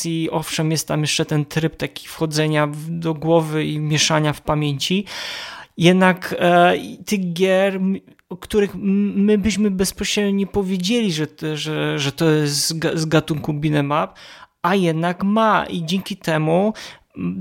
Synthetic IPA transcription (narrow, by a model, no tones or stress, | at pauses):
iɔfʂɛmjɛst̪t̪ːamjɛʂt͡ʂɛt̪ɛnt̪ɾɘp̚t̪akʲi̥fxɔd̪zɛɲavd̪ɔɡwɔvɘimʲjɛʂaɲafpamʲjeɲt͡ɕi | jɛd̪nakit̪ɘɣɡʲjɛɾ | ɔkt̪uɾɘxmɘbɘɕmɘbɛspɔɕɾɛd̪ɲɛpɔvʲjed͡ʑelʲiʐɛʐɛʐɛt̪ɔjɛst̪zɡazɡat̪uŋkubʲinɛmap̚ | ajɛd̪nakmaʔid͡ʑɛŋkʲit̪ɛmu